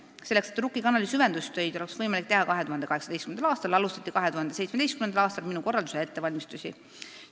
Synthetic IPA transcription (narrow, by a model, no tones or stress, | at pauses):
se̞lːe̞kset̪ːˑrɾukːˑikɑnɑlisyve̞nd̪ust̪ø̞jd̪̥o̞leksvɤjmɑlik̚t̪e̞ɦɑkɑɦe̞t̪uhɑnd̪eɑɦeksɑd̪ejstkymenɑlɑːst̪ɑlɑlust̪ɑt̪ːikɑɦe̞t̪uhɑnd̪esejt̪sme̥e̞jst̪kymend̪ɑlɑːst̪ɑlminuko̞rːɑld̪u̥see̞t̪ːe̞vɑlʲmist̪usʲḭ